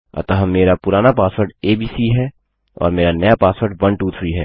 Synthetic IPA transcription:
ɐ̰t̪əɦəmːeːɾapʊɾaːnapaːsʋəɾɖeːbiːsiɦɛː | ɔ̰ːɾmeːɾanɐjapaːsʋəɾɖʋɐnʈuːt̪ʰɾiɦɛː

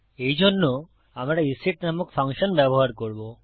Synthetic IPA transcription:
ejd͡ʑʱonːo | amɾaisiʈnamokpʰaŋʃɔnbɛboɦaɾkoɾbo

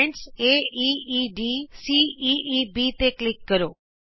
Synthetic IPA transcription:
ɳʈseːiiɖisiiibit̪eklɪkːəɾoː

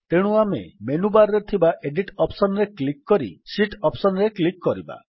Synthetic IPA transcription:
t̪eɽ̃uamḛmenubaɾɾet̪ʰibaʔeɖiʈɔpsɔnɔɾeklikːɔɾḭsiʈɔpsɔnɾeklikːɔɾiba̰

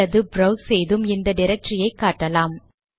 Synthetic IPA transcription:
ɐðɯbɾɐʊsɛjðɯmɪnd̪ɐɖɪɾɐk̚ʈrɪjɐɪkːaːʈːɐlaːm

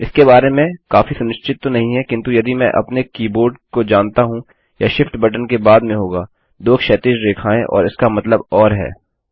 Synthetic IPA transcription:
ɪskebaːɾemẽkaːfisʊnɪʃt͡ʃɪt̪ːonɐɦĩɦɛkɪ̃nt̪ujɐd̪imɛ̰̃ʔɐ̰pnekiːboːɾɖkod͡ʒãːnt̪aɦũ | jaʃɪfʈbɐʈ̬ənkebaːd̪mẽɦoːɡaː | d̪oːkʰʃɛːt̪ɪd͡ʒɾeːkʰaːẽʔɔ̰ːɾɪskamɐt̪ləbɔːɾɦɛ̰ː

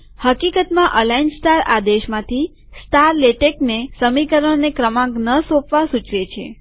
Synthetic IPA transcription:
həkikət̪mãʔəlainsʈaɾa̰d̪eʃmãt̪ʰi | staɾleʈeknesəmikəɾəɽ̃nekɾəmãknəsopʋasũt͡ʃʋet͡ʃʰḛ

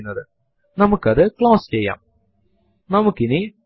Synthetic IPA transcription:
nːɐðɯ | nɐmɐkːɐðɯkɭãːst͡ɕɛjːã̰ːm | nɐmɐkːɪni

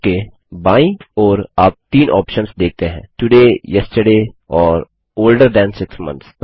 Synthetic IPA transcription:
ke | baːĩɔːɾaːp̚t̪iːnʔɔːpʃə̃nsd̪eːk̚t̪eɦɛ̰̃ːʈʊɖeːjɛsʈəɖeːɔːɾ | oːlɖəɾɖɛ̃ːnsɪksmɐ̰̃nt̪s

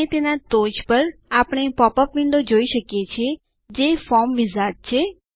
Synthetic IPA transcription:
et̪enat̪od͡ʒpəɾapəɽ̃epɔpəpʋɪɳɖod͡ʒoiʃəkjet͡ʃʰe | d͡ʒefɔɾmʋizat̚t͡ʃʰe

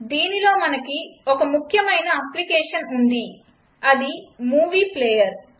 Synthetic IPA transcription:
d̪iːnilo̞ːmɐnɐkiɔkɐmukʰjɐmɐjnɐɐplikɛːʂɐnund̪i | ɐd̪imuːʋiːplɛːjɐɾ

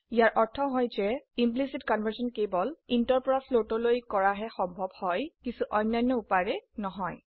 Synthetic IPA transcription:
ijaɹʔɔɹtʰɔɦɔjzɛimplisitkɔnvʱəɹsɔnkebɔlintɔɹpɔɹasʰlotɔlojkɔɹaɦɛxɔmbʱɔbhɔjkisuʔɔjnːajnːɔupaɹɛnɔɦɔj

